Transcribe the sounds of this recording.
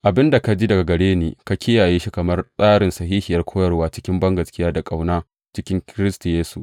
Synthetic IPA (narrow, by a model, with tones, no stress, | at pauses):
ʔa˨bɪ˦nda˨ka˦d͡ʒi˦dɐ˨ɡa˨ɡɐ˨ɽeː˦niː˨ka˦kʲʰɪ˦jaː˨jeː˦ʃi˦kɐ˨mɐ˦rsʼaː˦ɽɪ˨nsɐ˨ɦiː˦hɪ˨jɐ˦rkʷʰoː˦jɐ˨rwaː˦t͡ʃɪ̥˦kʲɪ˦mbɐ˦ŋɡɐ˨skʲɪ˦jaː˦da˨kʼa˨wnaː˦ | t͡ʃɪ˦kʲɪ˦ŋkʲɪ˦ɾɪ˦stu˨jeː˦su˨ʔ